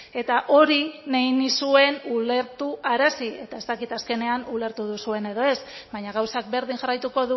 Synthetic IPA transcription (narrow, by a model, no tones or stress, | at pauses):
e̞t̪aʔo̞ɾineinisue̞nule̞ɾt̪uʔaɾasie̞t̪ae̞zt̪akit̪aske̞ne̞anule̞ɾt̪uðusue̞ne̞ðo̞e̞sbaɲaɣ̞awsak̚be̞ɾðiŋʝarajt̪uko̞ðu